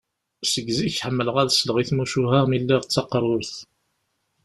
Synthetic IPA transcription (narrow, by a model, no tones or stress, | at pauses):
səɡziçħəmːəlʁæðsləʁiθmuʃuɦæʁmilːiʁt͡sːɑqːərˤːʊɾθ